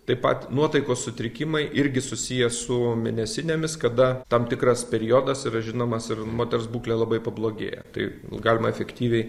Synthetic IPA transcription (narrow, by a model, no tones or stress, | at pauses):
t̪ɐɪpɐ̰t̪nuɔt̪ɐɪkoːssʊt̪ʲɾʲɪkʲɪmɐɪʔɪɾʲɡʲɪsʊsʲijɛsʊmʲɪnʲɛsʲɪnʲeːmʲɪskɐd̪ɐt̪ɐmt̪ʲɪkɾɐspʲɛɾʲɪjoːd̪ɐsɪɾɐʒʲɪnoːmɐsɪrmoːt̪ʲɛɾsbuːklʲeːlˠɐbɐɪpɐblˠoːɡʲḛːjɛ̰t̪ɐ̰ɪɡɑːlʲɪmɐɛfʲɛkt̪ʲiːʋʲɛɪ